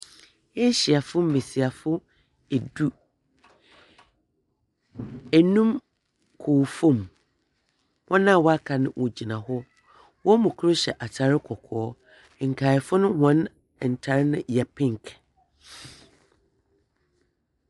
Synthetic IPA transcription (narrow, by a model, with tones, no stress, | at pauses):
e˦ɕi˨a˨fʊ˦m̩˦me˨si˨a˨fʊ˦ | e˨du˦ | ɛ˨nũ˦m | kʰoː˨fõ˦m | hɔ̃˦nã˦˨wɔ˦a˦kʰa˨nɪ̃˦wʔo˨d͡ʑi˨nã˨hɔ˦ | wɔ˦mũ˨kʰʊ˦ɾʊ˦ɕɛ˨ʔa˨t͡ɕʰa˨ɾɪ˦kʰɔ˨kʰɔː˨˦˨ | ŋ̩˨kʰaː˨ɪ˨fʊ˦nʊ̃˦hɔ̃˨˦n˨ | n̩˨tʰa˨ɾɪ˦nʊ̃˦jɛ˨pʰɪ̃˦ŋ˨kʰ